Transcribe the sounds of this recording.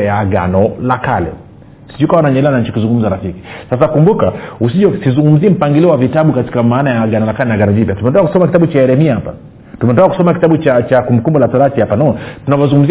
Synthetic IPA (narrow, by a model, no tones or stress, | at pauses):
ɛjaɡa̰nɔlakalɛ̰ | si̥ʄukawanaɲɛɛlɛanaɲ̩t͡ʃikizuŋɡum̩zaɾafiki̥sasakumbukaus̬iʄɔsizuŋɡum̩ziɛm̩paŋɡiliɔwavitaɓukati̥kamaːnajaɡanɔlakalɛnaɡanɔɲipjatumɛɔndakaku̥sɔmakitaɓut͡ʃaɛɾɛmiahapa̰ | tumɛɔndakaku̥sɔmaki̥taɓut͡ʃat͡ʃakumbukumbɔlataɾatihapanɔtunavɔzuŋɡum̩zi